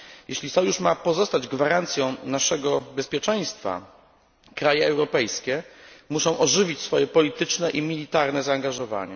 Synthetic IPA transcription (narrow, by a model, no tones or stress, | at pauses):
jeɕlʲisɔjuʂmapɔzɔst̪ad͡ʑɡvaɾant̪sʲjɔ̃w̃naʂɛɡɔbɛspʲjɛt͡ʂɛj̃st̪fa̰ | kɾajɛɛwɾɔpɛjskʲɛmuʂɔ̃w̃ʔɔʐɘvʲit͡ɕsfɔjɛpɔlʲit̪ɘt͡ʂnɛʔimʲilʲit̪aɾnɛzaːŋɡaʐɔva̰ɲɛ̰